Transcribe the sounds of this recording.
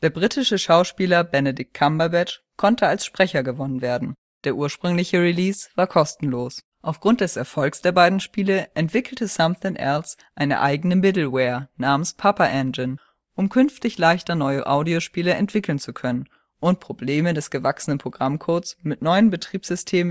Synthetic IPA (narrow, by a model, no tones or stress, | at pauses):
d̥eːɐbʁitʰɪʃəʃaʊʃpiːlɐbɛnedɪk̚tʰːambɐbɛt | kʰɔntʰəalsʃpʁ̥ɛçɐɡəvɔnənveːɐdn̩ | d̥eːɐʔuːɐʃpʁ̥ʏŋlɪçəʁiliːsv̥aːɐkʰɔstn̩loːs | ʔaʊfɡ̥ʁʊnt̚d̥ɛsɛɐfɔlksd̥eːɐbaɪdn̩ʃpiːləʔɛntv̥ɪkl̩təsamθɛnʔɛ̰ls | ʔaɪnə̰ʔa̰ɪɡənəmɪtl̩wɛːɐnaːmənspʰapɐʔɛnd͡ʒən | ʔʊmkʰʏnftɪçlaɪçtɐnɔʏəʔaʊdioʃpiːləɛ̰ntv̥ɪkl̩nt͡sukʰœnən | ʔʊnt̚pʁ̥obleːmədɛsɡ̥əvaksənənpʁ̥oɡ̥ʁamkʰoːsmɪtnɔʏənbətʁ̥iːpz̥ʏstʰeːmə